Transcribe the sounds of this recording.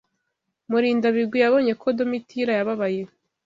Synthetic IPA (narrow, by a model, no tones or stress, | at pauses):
muɾiːndaβiɡwijaβo̞ːɲe̞kʰodo̞mitʰiɾajaβaβaje